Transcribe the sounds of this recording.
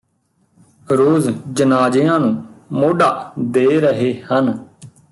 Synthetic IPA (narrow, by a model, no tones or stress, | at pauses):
ɾoːzd͡ʒənaːd͡ʒeːãːnũːmoːɖaːd̪eːɾəɦeːhən